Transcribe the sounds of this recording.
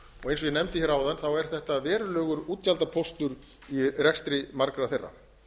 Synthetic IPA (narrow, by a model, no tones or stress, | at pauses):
ɔɣejnsɔjɛnɛmt̪ɪçɛɾaːwðanθawɛɾ̥θɛht̪avɛːɾʏlœːɣʏɾuːt̪çalt̪apʰɔst̪ʏɾ | irɛkst̪ɾɪmaɾkɾaθejrːa̰